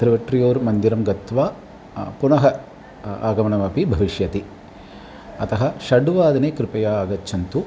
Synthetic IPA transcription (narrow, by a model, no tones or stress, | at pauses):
t̪ɾɨʋɐʈɾijoːɾmɐnd̪iɾɐmɡɐt̪ʋaː | punɐɦɐ | aːɡɐmɐɳɐmɐpibʱɐʋiʃjɐt̪i | ɐt̪ɐɦɐ̆ʃɐɖuʋaːd̪ɐneːkɾɪpɐjaːɡɐtːt͡ʃʰʃʰɐnt̪u